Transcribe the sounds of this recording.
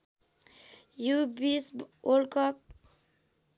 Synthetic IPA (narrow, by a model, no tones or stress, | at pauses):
jubiswolkʌp̚